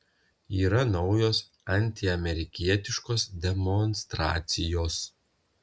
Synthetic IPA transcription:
iːɾɐnɒʊjoːs | ɐnʲt̪ʲɪɐmʲɛɾʲɪkʲiɛt̪ʲɪʃkoːsd̪ʲɛmɔnst̪ɾɑ̰ːt̪sʲɪjoːs

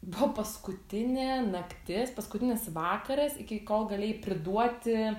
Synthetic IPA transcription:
bʊʋɐpɐskʊt̪ʲɪnʲɛːnɐkt̪ʲɪspɐskʊt̪ʲɪnʲɪsʋɑːkɐɾɐsɪkʲɪkoːlˠɡɐlʲeːjɪpʲɾʲɪd̪uɔt̪ʲɪ

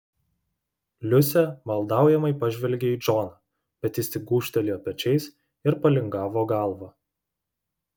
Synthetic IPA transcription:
lʲʊsʲɛmɐlˠd̪ɑˑʊjɛmɐɪpɐʒʲʋʲɛlʲɡʲeiːd͡ʒɔːnɐ | bʲɛt̪ʲɪst̪ʲɪɡuːʃʲt̪ʲɛlʲiːɔpʲɛt͡ʃʲɛɪs | ɪɾpɐlʲɪŋɡɑːʋoːɡɑˑlˠʋɐ

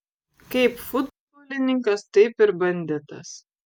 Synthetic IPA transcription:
kɐɪpfʊd̪bɔːlʲɪnʲɪŋkɐst̪ɐɪpɪɾbɐnʲd̪ʲɛt̪ɐs

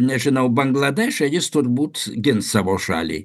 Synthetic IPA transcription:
nʲɛʒʲɪnɐʊbɐŋɡlˠɐd̪ʲɛːʃʲɛjɪst̪ʊrbuːt̪ɡʲɪnsɑːʋoːʃɑ̰ːlʲḭː

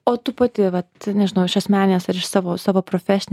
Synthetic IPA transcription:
oːt̪uːpɐt̪ʲɪʋɐt̪nʲɛʒʲɪnɐʊɪʃɐsʲmʲæːnʲɪnʲeːsɐɾɪʃsɑːʋoːsɑːʋoːpɾoːfʲæsʲɪnʲ

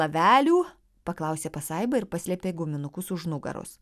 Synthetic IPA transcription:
ɐʋʲæːlʲuː | pɐklˠɐʊsʲeːpɐsɐɪbɐɪɾpɐsʲlʲɛːpʲeːɡʊmʲɪnʊkʊsʊʒnʊɡɐ̰ɾʊ̰s

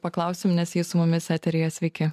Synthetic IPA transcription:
pɐklˠɐˑʊsʲɪmnʲɛsjisʊmʊmʲɪsʲæːt̪ʲɛɾʲeːjɛsʲʋʲɛɪkʲɪ

